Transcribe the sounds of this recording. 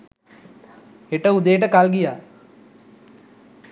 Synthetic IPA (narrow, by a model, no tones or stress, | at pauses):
eʈəud̪ejʈəkalɡija